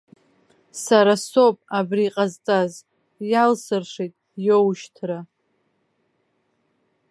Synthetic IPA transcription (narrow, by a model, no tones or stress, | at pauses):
saɾaso̞pʼabriːqʼazt͡sʼaz | jalsɨrʂejtʼjowʃtʰra